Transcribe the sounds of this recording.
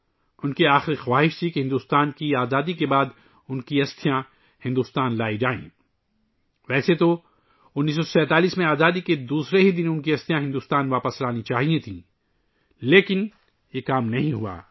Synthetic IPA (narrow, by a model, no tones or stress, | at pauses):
ʊnkiaːxɪɾixwaːɦɪʃt̪ʰikeɦɪ̃nd̪uːst̪aːnkiaːzaːd̪ikebaːd̪ | ʊnkiɐst̪ʰijã | hɪ̃nd̪uːst̪aːnlaːid͡ʒaːḛ̃ː | ʋɛːset̪o | ʊnːiːs̬ɔsɛ̃ːt̪aːliːsmẽaːzaːd̪iked̪uːsɾeɦid̪ɪnʊnkiɐst̪ʰijãɦɪ̃nd̪uːst̪aːnʋaːpəslaːnit͡ʃaːɦiẽt̪ʰĩː | leːkɪn | jekaːmnɐɦĩɦua̰ː